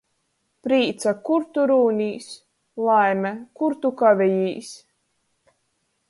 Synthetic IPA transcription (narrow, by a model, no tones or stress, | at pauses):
pɾiːt̪sakuɾt̪uɾuːnʲiːs | lˠajmʲɛkuɾt̪ukavʲɛjiːs